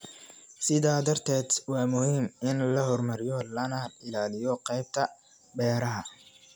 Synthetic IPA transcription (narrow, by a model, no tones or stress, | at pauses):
sɪðaːd̪ɐrt̪ʰɛːd̪wɑːmʊhiːmɪnlɐhɔrmɐɾɪjɔlɐnɐɪlaːlɪjɔqɛjb̚t̪ʰɐ | bɛːɾɐɦɐ